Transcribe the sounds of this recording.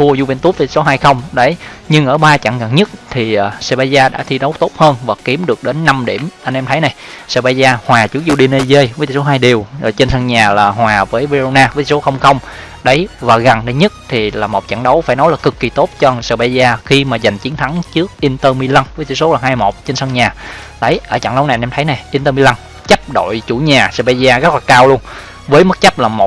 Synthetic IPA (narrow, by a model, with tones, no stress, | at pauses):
t̪ʰu˧əzu˧vi˧nt̪o˦˥t̚vəː˨˦t̪ʰi˨˩so˨˦ɦaː˧jxə˧wŋ͡mɗə˨˦jɲɨ˧ŋʔəː˧˩ɓaː˧t͡ɕa̰˧˨ŋɣa˨˩nɲə˦˥t̚t̪ʰiː˨˩˨sə˧˩ɓa˧jzaː˧ɗa̰ː˧˥t̪ʰi˧ɗə˨˦wt̪o˦˥t̚həː˧nvaː˨˩ki˨˦əmɗɨ˨˩ək̚ɗe˨˦nːa˧mɗḭ˧˩əmʔa˧jŋ̟ʔɛ˧mt̪ʰə˨˦jna˨˩jsə˧˩ɓaː˧jzaː˧hwaː˨˩t͡ɕɨ˦˥əkzu˧ɗi˧ənə˧zəː˧jvəː˨˦t̪ʰi˧˩so˨˦ɦaː˧jɗi˨˩əwt͡ɕe˧nsa˧ŋɲaː˨˩laː˨˩ɦwaː˨˩vəː˨˦jvi˧zo˧naː˧və˨˦jt̪i˨˩˦so˨˦xə˧wŋ͡mxə˧wŋ͡m | ɗə˨˦jvaː˨˩ɣa˨˩nɗə˨˦jɲə˦˥t̚t̪ʰi˨˩laː˨˩mo˨˩t̚t͡ɕa̰˧˩ŋɗə˨˦wfaː˧˩jnɔ˨˦jlaː˨˩kɨ˨˩kːi˨˩t̪o˦˥t̚t͡ɕɔ˧səː˧˩ɓaː˧jzaː˧xi˧maː˨˩za˨˩jŋ̟t͡ɕi˨˦nt̪ʰa˨˦ŋt͡ɕɨ˦˥ək̚ʔi˧nt̪əː˧mi˧la˧nvə˨˦t̪ʰi˧˩˦so˨˦laː˨˩ɦaː˧jmo˨˩t̚t͡ɕe˧nsa˧ŋɲaː˨˩ | ɗə˨˦jʔəː˧˩t͡ɕa̰˧˩ŋɗə˨˦wa˨˩ʔnʔɛ˧t̪ʰə˨˦na˨˩jʔi˧nt̪ə˧mi˧la˧n | t͡ɕa˦˥p̚ɗo̰˧˨jt͡ɕu˧˩ɲaː˨˩səː˧˩ɓa˧jzaː˧ɣa˦˥k̚la˨˩kaː˧wlu˧ən | vəː˨˦jmɨ˦˥k̚t͡ɕa˦˥p̚laː˨˩mo˨˩